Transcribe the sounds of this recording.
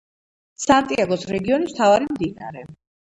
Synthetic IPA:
sant̪ʼiaɡɔsɾɛɡiɔnist̪ʰavaɾimd̪ina̰ɾɛ

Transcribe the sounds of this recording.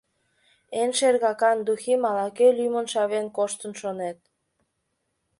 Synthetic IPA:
enʃerɣɑkɑnd̪uximɑlɑkølymənʃɑβenkoʃt̪ənʃonet̪̚

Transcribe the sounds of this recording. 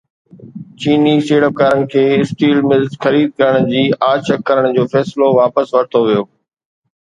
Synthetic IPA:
t͡ɕiːnisʈeːʈəp̚kaːɾənɪ̆kʰeːɪsʈiːlmɪlzxɐɾiːd̪̚kɐɾəɽ̃d͡ʑiːaːt͡ɕəkːɐɾəɽ̃d͡ʑoːfɛːsloʋaːpəsʋɐɾt̪ʰoʋijoː

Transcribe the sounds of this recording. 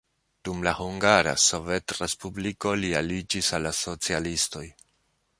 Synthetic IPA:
d̥umlahuŋɡaɾa̰so̞ve̞tɾe̞spubliko̞lialid͡ʒisalːaso̞t͡sialisto̞j

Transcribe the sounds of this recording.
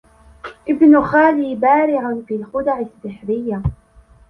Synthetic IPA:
ʔɪbnʊxaːliːbaːɾɪʕanfiːlxʊd̪aʕɪsːɪħɾɪjːa

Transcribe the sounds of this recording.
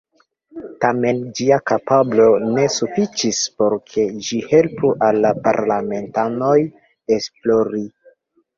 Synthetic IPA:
tame̞nd͡ʒiakapablo̞ne̞sufit͡ʃispo̞ɾkʰe̞d͡ʒihe̞lpuʔalːapa̰ɾlame̞ntano̞j | esploɾi

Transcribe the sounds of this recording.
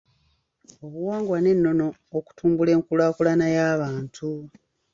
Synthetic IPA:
oβuwaːŋɡwane̞nːo̞no̞ːku̥tuːmbule̞ːŋkulaːkulanajaːβaːntʰu

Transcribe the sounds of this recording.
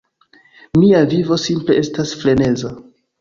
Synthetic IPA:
miavivo̞simple̞ʔe̞stasfle̞ne̞za

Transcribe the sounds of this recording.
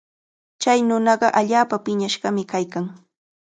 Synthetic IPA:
t͡ʃajnʊnɑɢɑʔaʎaːpapɪɲaʃɢɑmɪkajkaŋ

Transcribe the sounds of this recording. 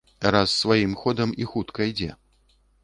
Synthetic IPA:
ɾasːvajimxɔd̪ɐmixut̪kɐid͡zʲɛ

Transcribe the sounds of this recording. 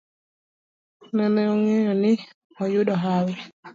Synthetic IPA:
nɛnɛoŋejɔnɪ | ɔjʊdɔɦawɛ

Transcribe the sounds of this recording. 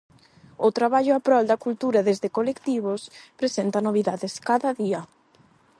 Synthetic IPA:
ʊt̪ɾaβaʎʊapɾɔld̪ɐkult̪uɾaðezðekolekt̪iβ̞ospɾesent̪ɐnoβiðaðɪskaðɐðiɐ

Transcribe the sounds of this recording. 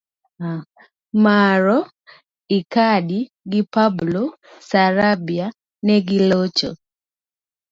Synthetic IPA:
maɾɔ | ikadi | ɡɪpablo | saɾabia | nɛɡɪlot͡ʃo̰

